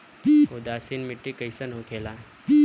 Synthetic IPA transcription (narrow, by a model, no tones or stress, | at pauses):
ʊd̪aːsinmɪʈːikəjsənɦokʰeːlaː